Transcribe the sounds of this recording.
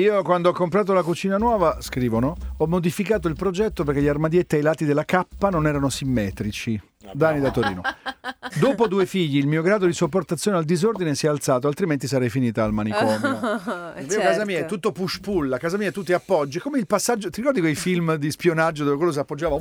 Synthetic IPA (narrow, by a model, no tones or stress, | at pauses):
iːokwand̪oɔkːompɾaːt̪̬ounakut͡ʃiːnanwɔːvaskɾiːvonoɔmːod̪ifikaːt̪oilpɾod͡ʒɛt̪ːoperkːeʎːiarmad̪jet̪ːiejlaːt̪ːid̪elːakapːanonɛːɾanosimːɛːt̪ɾit͡ʃi | d̪anid̪at̪ːoɾḭːno | d̪oːpod̪uːefiʎːiːlmiːoɡɾaːd̪od̪isopːort̪at̪sːjoːneald̪izord̪inesiɛalt̪saːt̪oalt̪ɾiment̪isaɾɛjfiniːt̪aːlmanikɔnːomiːokaːzamiːaɛt̪ːut̪ːopuʃpulːakaːzamiːat̪ut̪ːiapːɔd͡ʒːikomeilpasːad͡ʒːot̪iɾikɔrd̪ikwejfilmd̪ispjonad͡ʒːod̪oːvekwelːos̬apːod͡ʒːaːva